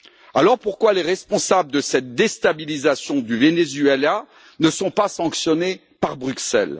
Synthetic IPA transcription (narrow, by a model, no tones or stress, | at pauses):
alɔʁpuʁkwaleʁɛspɔ̃sabləd̪əsɛt̪̚d̪est̪abilizasjɔ̃d̪yvenezyɛla | nəsɔ̃pasɑ̃ksjɔne | paʁbʁyksɛ̰l